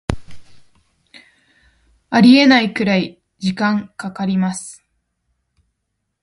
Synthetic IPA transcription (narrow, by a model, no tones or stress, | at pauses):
aɾʲie̞naikɯ̟ɾai | d͡ʑikãŋkakaɾʲimasɨ̥